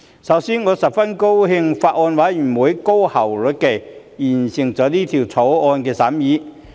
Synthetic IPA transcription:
sɐ˨˥wsiː˥nŋɔː˨˧sɐ˨p̚fɐ˥nko˥wɦɪ˧ŋfaː˧t̚ʔɔː˧nwaː˨˥jjy˨˩nwuː˨˥jko˥whɐ˨˩wlɵ˨˩ke˨˩ | jiː˨˩nsɪ˨˩ŋt͡sɔː˨˥niː˥t̪ʰiː˨˩wt͡sʰo˨˥wɔː˧nkɛː˧sɐː˨˥mjiː˨˥

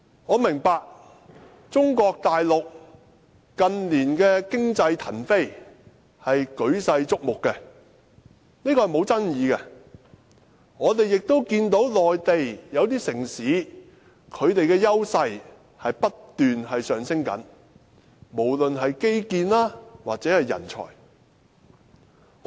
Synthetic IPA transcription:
ŋɔː˨˧mɪ˨˩ŋpaː˧k̚ | t͡sʊ˥ŋkɔː˧k̚t̪aː˨jlʊ˨k̚ | kɐ˨nliː˨˩nkɛː˧kɪ˥ŋt͡sɐ˧jt̪ʰɐ˨˩nfe˥j | hɐ˨jkɵ˨˥ɥsɐ˧jt͡sʊ˥k̚mʊ˨kːɛ˧ | niː˥kɔː˧hjmo˨˧wt͡sɐ˥njiː˨˧kɛ˧ | ŋɔː˨˧t̪e˨jjɪ˨k̚t̪o˥wkiː˧nt̪o˨˥wlɔː˨jt̪e˨jjɐ˨˧wt̪iː˥sɪ˨˩ŋsiː˨˥ | kʰɵ˨˧ɥt̪e˨jkɛː˧jɐ˥wsɐ˧j | hɐ˨jpɐ˥t̪ːyː˨nɦɐ˨jsœː˨ŋsɪ˥ŋkɐ̰˨˥n | mo˨˩wlɵ˨nɦɐ˨jke˥jkiː˧nlaː˥waː˨t̚t͡sɛː˨˥hɐ˨jːɐ̰˨˩nt͡ʃʰɔ̰ː˨˩j

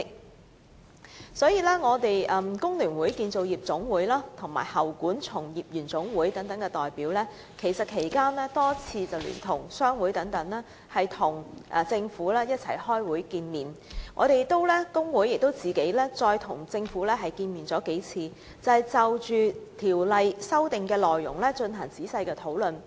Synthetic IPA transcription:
sɔː˨˥jiː˧lɛː˥ŋɔː˨˧t̪e˨jʔɐ˨˧mkʊ˥ŋlyː˨˩nwuː˨˥jkiː˧nt͡so˨wjiː˨˩p̚t͡sʊ˨˥ŋwuː˨˥jlaː˥t̪ʰʊ˨˩ŋma̰ː˨˩jhɐ˨˩wkuː˨˥nt͡sʰʊ˨˩ŋjiː˨p̚jyː˨˩nt͡sʊ˨˥ŋwuː˨˥jt̪ɐ˨˥ŋt̪ɐ˨˥ŋkɛ˧t̪ɔː˨jpiː˨˥wlɛː˥ | kʰe˨˩jsɐ˨t̚kʰe˨˩jkaː˥nlɛː˥t̪ɔː˥t͡sʰiː˧t͡sɐ˨wly̰ː˨˩nt̪ʰʊ˨˩ŋsœː˥ŋwu˨˥jt̪ɐ˨˥ŋt̪ɐ˨˥ŋlɛː˥ | hɐ˨jt̪ʰʊ˨˩ŋʔɛ˨t͡sɪ˧ŋfuː˨˥lɛː˥jɐ˥t̚t͡sʰɐ̰˨˩jhɔː˥jwuː˨˥jkiː˧nmiː˨˩nŋɔ̰ː˨˧ɾe˨jkt̪o˥wlɛ˥kʊ˥ŋwuː˨˥jɪ˨k̚t̪o˥wt͡siː˨ke˨˥jlɛː˥t͡sɔː˧jt̪ʰʊ˨˩ŋt͡sɪ˧ŋfuː˨˥lɛː˥ɦɐ˨jkiː˧nmiː˨nt͡sɔː˨˥ke˨˥jt͡sʰiː˧ | t͡sɐ˨ɐ˨jt͡sɐ˨wt͡ʃyː˨t̪ʰiː˨˩wlɐ˨˧jsɐ˥wt̪ɪ˨ŋkɛː˧lɔː˨jːʊ̰˨˩ŋlɛː˥t͡ʃɵ˧nɦɐ˨˩ŋt͡siː˨˥sɐ˧jkɛː˧t̪ʰo˨˥wlɵ˨n

